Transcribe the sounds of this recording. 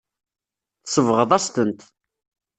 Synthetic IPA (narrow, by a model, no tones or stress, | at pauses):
θsəvʁəðˤæst̪ənt̪